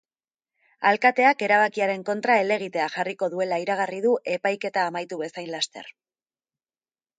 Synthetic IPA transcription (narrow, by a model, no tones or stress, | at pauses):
alkat̪e̞ake̞ɾaβ̞akiaɾe̞ŋko̞nt̪ɾae̞le̞ɣ̞it̪e̞aʝariko̞ðue̞laiɾaɣ̞ariðuʔe̞pajke̞t̪aːmajt̪uβesajnlast̪e̞̰ɾ